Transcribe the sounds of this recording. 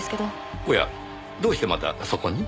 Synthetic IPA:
ske̞d̪o | oja̰ | d̪o̞ːɕi̥t̪emat̪a̰so̞ko̞ɲ̟i

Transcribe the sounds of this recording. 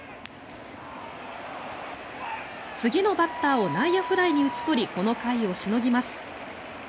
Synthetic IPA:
t͡sɨɡʲino̞bat̪ːaːo̞naijaɸɯ̟ɾaiɲ̟iɯ̟t͡sɨ̥t̪o̞ɾʲiko̞no̞kaio̞ɕino̞ɡʲimasɨ̥

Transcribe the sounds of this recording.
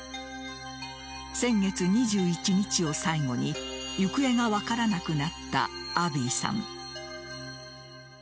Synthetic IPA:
sẽ̞ŋɡe̞t͡sɨɲ̟iʑɨːit͡ɕiɲ̟it͡ɕio̞saiŋo̞ɲ̟ijɯkɯ̟e̞ŋaβakaɾanakɯ̟nat̪ːa̰ːbiːsã̰ŋ

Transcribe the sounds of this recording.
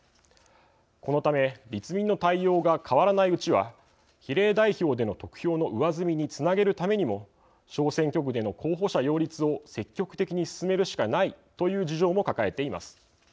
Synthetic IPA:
ko̞no̞t̪ame̞ɾʲit͡sɨmʲĩnːo̞t̪aijːo̞ːɡakʰaβaɾanaiɯ̟t͡ɕiβa̰ | çiɾe̞ːd̪aiço̞ːd̪e̞no̞t̪o̞kɯ̟̥çʲo̞ːno̞ʔɯ̟βazɨmʲiɲ̟it͡sɨnaɡe̞ɾɯ̟t̪ame̞ɲ̟imo̞ | ɕo̞ːsẽ̞ŋkʲo̞k̬ɯ̟d̪e̞no̞kʰo̞ːɦo̞ɕajo̞ːɾʲit͡sɨo̞se̞kʲːo̞kɯ̟̥t̪e̞kʲiɲ̟isɨ̥sɨme̞ɾɯ̟ɕi̥kanait̪o̞jɯ̟ːd͡ʑiʑo̞ːmo̞kakae̞t̪e̞ima̰sɨ̥

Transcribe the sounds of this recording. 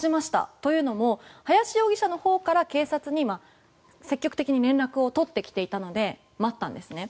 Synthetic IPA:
imaɕi̥t̪a̰t̪o̞jɯ̟ːno̞mo̞hajaɕijo̞ːɡʲiɕano̞ho̞ːkaɾake̞ːsat͡sɨɲ̟ima | se̞kʲːo̞kɯ̟t̪ekʲiɲ̟iɾẽ̞nɾakɯ̟o̞t̪o̞t̪ːe̞kʲi̥t̪e̞it̪ano̞d̪e̞ | mat̪ːã̰nd̪e̞sɨne̞

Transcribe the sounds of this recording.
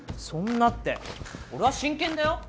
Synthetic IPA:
sõ̞nːat̪ːe̞̰o̞ɾe̞βaɕĩŋkẽnd̪ajo

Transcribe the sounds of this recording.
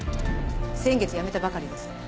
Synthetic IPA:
sẽ̞ŋɡe̞t͡sɨjame̞t̪abakaɾʲid̪esɨ̥

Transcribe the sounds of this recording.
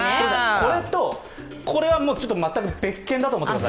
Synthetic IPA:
d̪esako̞ɾe̞t̪o̞ | kʰo̞ɾe̞βamoːt͡ɕo̞t̪ːomat̪ːakɯbe̞kːẽnd̪at̪oːmot̪ːemas

